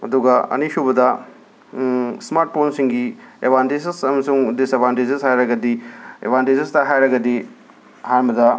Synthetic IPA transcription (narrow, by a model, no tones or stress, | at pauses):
ɐ̰duɡɐɐ̰niʃubɐdɐ | smaɾʈ̚pʰonsiŋɡiḛbʱantesesɐmɐsuŋdisebʱantezishajɾɐɡɐdiḛbʱantezistɐɦajɾɐɡɐdi | haɾmɐdɐ